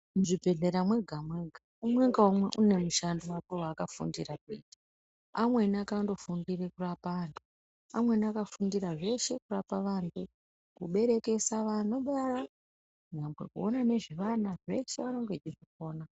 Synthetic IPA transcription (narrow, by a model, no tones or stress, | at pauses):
ʐibʱe̞ɮe̞ɾamwe̞ɡʱamwe̞ɡʱa | umwe̞ŋɡaumwe̞ʔune̞muʃandowapo̞wakafṵndirakitḁ | amwe̞nakando̞fundirekurapaantʰu | a̰mwe̞niakafundiraʐe̞ʃe̞kurapaʋaːntʰu | kuɓe̞ɾe̞ke̞saʋano̞ɓara | ɲambwḛkṵo̞nane̞ʐiʋanaʐe̞ʃe̞ʋano̞ŋɡe̞d͡ʒiriko̞ːna